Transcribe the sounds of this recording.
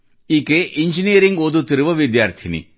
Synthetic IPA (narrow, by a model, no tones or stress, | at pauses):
ikeʔiɲd͡ʒiniɐɾiŋɡod̪ut̪iɾɯʋɐʋid̪jaːɾt̪ʰinḭ